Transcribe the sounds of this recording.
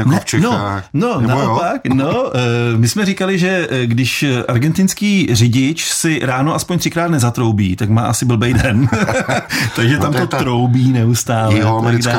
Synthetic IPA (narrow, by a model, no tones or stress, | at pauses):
ot͡ʃnononaʔopaknomɪsmɛrɪkalɪʒɛɡdɪʃʔaɾɡɛnt̪ɪnskiːrɪɟɪt͡ʃsɪɾaːnoʔaspoɲt̪r̥ɪkɾaːt̪nɛzat̪ɾo̞wbiːt̪akmaːʔasɪbl̩bɛjdɛn | t̪aɡʒɛt̪amt̪ot̪ɾo̞wbiːnɛust̪aːlɛt̪aɡa